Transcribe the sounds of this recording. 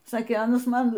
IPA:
ˈsɑːkʲeː ˈɑːnɐs ˈmɐn

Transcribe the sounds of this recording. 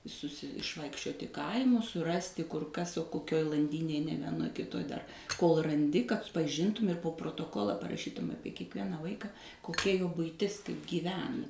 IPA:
sʊˈsʲɪ ɪʃˈʋɐɪkʃʲt͡ʃʲoːtʲɪ ˈkɐɪmʊs sʊˈrɑːsʲtʲɪ kʊr ˈkɐs oː koːˈkʲoːj lˠɐnʲˈdʲiːnʲeːj nʲɛ ʋʲiɛˈnoːj kʲɪˈtoːj dɐr koːlˠ rɐˈnʲdʲɪ kɐt pɐˈʒʲɪntʊm ɪr poː proːtoːˈkoːlˠɐ pɐrɐˈʃʲiːtʊm ˈɑːpʲiɛ kʲiɛkˈʋʲiɛnɑː ˈʋɐɪkɐ koːˈkʲɛ joː bʊɪˈtʲɪs kɐɪp ɡʲiːˈʋʲæːnɐ

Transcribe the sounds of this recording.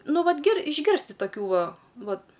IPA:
ˈnʊ ˈʋɐt ɡʲɪr ɪʒʲˈɡʲɪrʲsʲtʲɪ toːˈkʲuː ˈʋɐ ˈʋɐt

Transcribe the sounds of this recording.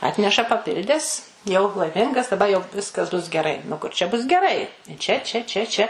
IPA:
ˈɑːtʲnʲɛʃɐ pɐˈpʲɪlʲdʲɛs jɛʊ lˠɐɪˈmʲɪŋɡɐs dɐˈbɐ jɛʊ ˈʋʲɪskɐs bʊs ɡʲɛˈrɐɪ nʊ ˈkʊr t͡ʃʲɛ bʊs ɡʲɛˈrɐɪ ˈt͡ʃʲɛ t͡ʃʲɛ ˈt͡ʃʲɛ t͡ʃʲɛ

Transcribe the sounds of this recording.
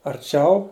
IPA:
ɐrʲˈt͡ʃʲɛʊ

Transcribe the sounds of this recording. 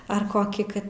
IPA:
ɐr ˈkoːkʲiː ˈkɐt

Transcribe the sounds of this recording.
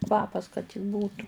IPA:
ˈkʋɑːpɐs kɐt tʲɪk ˈbuːtʊ

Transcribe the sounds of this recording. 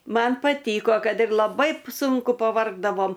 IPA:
ˈmɐn pɐˈtʲiːkoː ˈkɐt ɪr lˠɐˈbɐɪ ˈsʊŋkʊ pɐˈʋɐrɡdɐʋoːm

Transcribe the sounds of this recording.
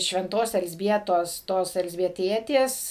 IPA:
ʃʲʋʲɛnˈtoːs ɛlʲzʲˈbʲiɛtoːs ˈtoːs ɛlʲzʲbʲiɛˈtʲiɛtʲeːs

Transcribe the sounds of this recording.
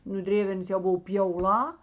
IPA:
nʊ ˈdʲrʲeːʋʲɛrnɐs jɛʊ ˈbʊʋoː pʲjɛʊˈlˠɑː

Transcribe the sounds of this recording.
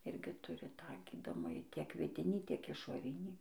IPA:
ˈɪrʲɡʲɪ ˈtʊrʲɪ tɑː ˈɡʲiːdoːmɐjiː tʲiɛk ʋʲɪˈdʲɪnʲiː tʲiɛk ɪʃoːˈrʲɪnʲiː

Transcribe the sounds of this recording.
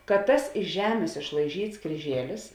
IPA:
kɐt ˈtɐs ɪʃ ˈʒʲæːmʲeːs ɪʃlˠɐɪˈʒʲiːts krʲiːˈʒʲiɛlʲɪs

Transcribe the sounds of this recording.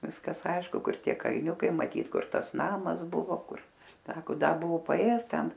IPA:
ˈʋʲɪskɐs ˈɐɪʃkʊ ˈkʊr ˈtʲiɛ kɐlʲˈnʲʊkɐɪ mɐˈtʲiːt ˈkʊr ˈtɐs ˈnɑːmɐs ˈbʊʋoː ˈkʊr ˈsɑːkoː ˈdɐ ˈbʊʋʊ pɐˈeːjɛs ˈtʲɛn

